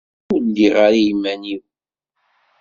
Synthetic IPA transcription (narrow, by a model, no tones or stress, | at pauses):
udiʁaɾijmːæniw